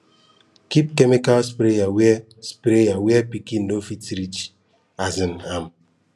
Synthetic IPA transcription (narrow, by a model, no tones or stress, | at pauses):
kip̚kemikalspɾejawe | spɾejawepikin̩dofitiɾit͡ʃ | azinam̩